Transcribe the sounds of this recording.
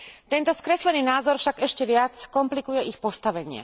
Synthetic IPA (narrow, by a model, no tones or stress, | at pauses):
t̪ɛnt̪ɔskɾɛslɛniːnaːzɔɾfʃaɡɛʃcɛʋɪat͡skɔmplikujɛixpɔst̪aʋɛɲɪɛ̰